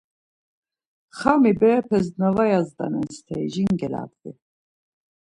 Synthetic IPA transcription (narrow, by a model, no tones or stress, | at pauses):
χamibɛɾɛpʰɛsd̪navajazd̪a̰nɛnst̪ʰɛjʒiŋɡɛla̰ːd̪vi